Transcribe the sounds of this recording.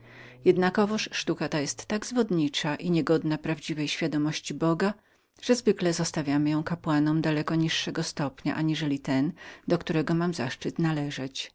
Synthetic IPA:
jɛd̪nakɔvɔʂʂt̪ukat̪ajɛst̪ːaɡzvɔd̪ɲit͡ʂaʔiɲɛɡɔd̪napɾavd͡ʑivɛjɕfʲjad̪ɔmɔɕt͡ɕibɔɡa | ʐ̥ɛzvɘklɛzɔst̪avʲjamɘjɔ̃w̃kapwanɔmd̪alɛkɔɲiʂːɛɡɔst̪ɔpɲa̰ʔaɲiʐɛlʲit̪ɛnd̪ɔkt̪uɾɛɡɔmamzaʂt͡ʂɘt̪nalɛʐɛt͡ɕ

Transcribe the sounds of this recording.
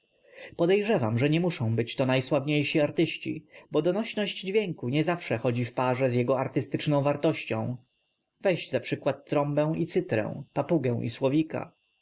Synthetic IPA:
pɔd̪ɛjʐɛvamʐɛɲɛmuʂɔ̃w̃bɘt͡ɕt̪ɔnajswavɲejɕiaɾt̪ɘɕt͡ɕḭbɔd̪ɔnɔɕnɔʑd͡ʑd͡ʑvʲjeŋkuɲɛzafʂɛxɔd͡ʑifpaʐɛzʲjɛɡɔaɾt̪ɘst̪ɘt͡ʂnɔ̃w̃vaɾt̪ɔɕt͡ɕɔ̃w̃ | vɛjʑd͡ʑzapʂɘkwat̪ːɾɔmbɛ̃w̃it̪sɘt̪ɾɛ̰̃w̃papuɡɛ̃w̃ʔḭswɔvʲika̰

